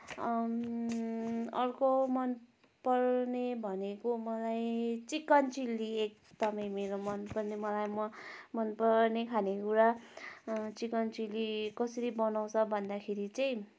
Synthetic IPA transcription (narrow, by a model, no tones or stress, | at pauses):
ʌrkomʌn | pʌrnebʱʌnekomʌlajt͡sikʌnt͡siliek̚d̪ʌmʌj̃meɾomʌnpʌrnemʌlajmʌmʌnpʌrnekʰanekuɾa | t͡sikʌnt͡silikʌsʌɾibʌnaw̃t͡sʰʌbʱʌnd̪akʰeɾit͡sʌj̃